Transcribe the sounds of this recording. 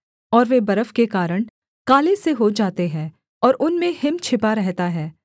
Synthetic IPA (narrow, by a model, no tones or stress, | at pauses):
ɔːɾʋebɐɾəfkekaːɾəɽ̃ | kaːleseɦod͡ʒaːt̪eɦɛ̃ː | ɔːɾʊnmẽhɪmt͡ʃʰɪpaɾɛɦt̪aɦɛː